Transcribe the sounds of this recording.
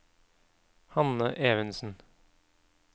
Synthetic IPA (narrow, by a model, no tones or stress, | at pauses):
hɑnəʔeːʋənsn̩